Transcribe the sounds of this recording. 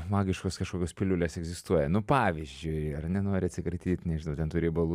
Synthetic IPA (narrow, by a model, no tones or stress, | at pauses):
mɑːɡʲɪʃkoːskɐʃkoːkʲoːspʲɪlʲʊlʲeːsɛɡzʲɪst̪uɔjɛnʊpɑːʋʲizʲd͡ʒʲʊɪɐrnʲɛnoːɾʲɪɐt̪sʲɪkɾɐt̪ʲiːt̪ʲnʲɛʒʲɪnɐʊt̪ʲɛnt̪uɾʲejbɐlˠu